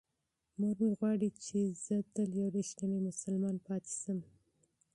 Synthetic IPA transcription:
muɾmiɣwɑɽit͡ʃezət̪əljawɾeʃnamimʊsalmɑnpɑt̪e̥səm

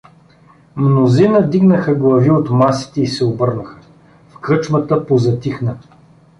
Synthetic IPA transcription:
mnozinəd̪iɡnəxəɡlˠɐviot̪masi̥t̪ɛisɛobɤɾnəxə̥ | fkɤt͡ʃmət̪əpozɐt̪ixnə

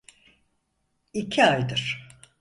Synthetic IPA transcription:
icʰiajd̪ɯɾ̥

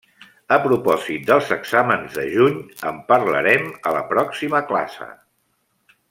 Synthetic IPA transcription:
əpɾupɔzit̪̚d̪əlˠzəɡz̥amənzðəʒuɲəmpəɾlə̰ɾɛmələpɾɔksiməkla̰sə̰

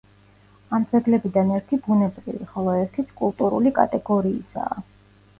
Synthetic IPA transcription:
amt̪sʰʼɛɡlɛbid̪anɛɾt̪ʰibunɛbɾivḭχɔlˠɔɛɾt̪ʰit̪sʰkʼulˠt̪ʼuɾulikʼa̰t̪ʼɛɡɔɾiːsa̰ː

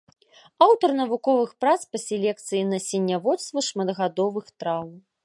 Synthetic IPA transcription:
awt̪ɐrnɐvukɔvɨxpɾat̪spɐsʲɛlʲɛk̚t̪sɨjinɐsʲɛnʲːavɔt̪st̪vɐʂmɐd̪ɣad̪ɔvɨxt̪ɾaw

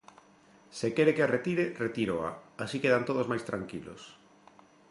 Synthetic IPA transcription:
sekeɾekearet̪iɾeret̪iɾoa̰asikeðant̪oðozmajst̪ɾaŋkilo̰s

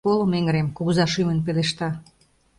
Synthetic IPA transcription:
olomeŋɾemkuɣzɑʃymənp̬eleʃt̪ɑ

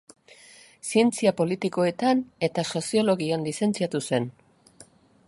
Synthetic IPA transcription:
sie̞nt͡siapo̞lit̪iko̞e̞t̪ane̞t̪aso̞sio̞lo̞ɣianlise̞nt͡siat̪use̞n

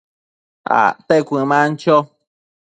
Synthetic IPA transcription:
a̰t̪ekʷĩmãnt͡ʃo

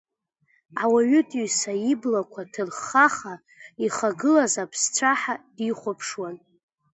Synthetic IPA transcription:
awaɥʏtʼiɥsaiblakʷʰatʰɨrχaχa | iχaɡɨlazapʰst͡sʷʰaħadiχʷʊpʰʂwan

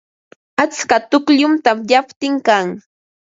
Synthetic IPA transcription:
at͡skat̪ʊkʎʊmt̪amjapt̪ɪŋkaŋ

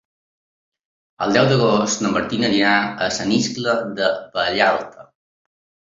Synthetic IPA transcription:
əlˠd̪ɛwd̪əɣ̞ost̪nəmbəɾt̪inəʎiaəsəniskləd̪əpəːʎalˠt̪ʰə

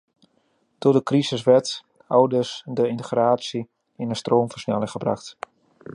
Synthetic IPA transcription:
d̥odəkrisəs̬ʋɛɹt | ɔwdəsdəɪntəxraːsi | ɪnəstroːmfərsnɛlɪŋχəbra̰xt

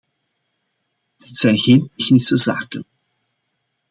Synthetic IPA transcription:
dɪtsɛjnɣeːntɛxnɪsəza̰ːkən

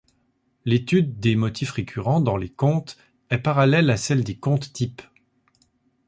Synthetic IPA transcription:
let̪yd̪ːemɔt̪ʰifʁekʲʰyʁɑ̃d̪ɑ̃lekɔ̃t̪ | ɛpaʁalɛlasɛld̪ekɔ̃t̪ːip

